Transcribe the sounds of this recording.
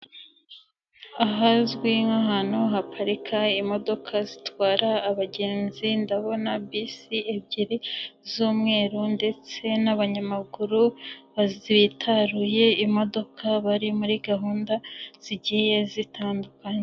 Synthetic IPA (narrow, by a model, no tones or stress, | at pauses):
aɦazɡwiŋaɦanoɦapʰaɾikʰaimo̞do̞kʰazitwaːɾaːβaɟe̞ːnzindaβo̞nabisiebɟiɾizuːmŋe̞ːɾunde̞t͡se̞naβaɲamaɡuɾuβaziβitʰaɾuje̞imo̞do̞kʰaβaɾimuɾiɡaɦuːndaz̥iɟije̞zitaːndukaɲe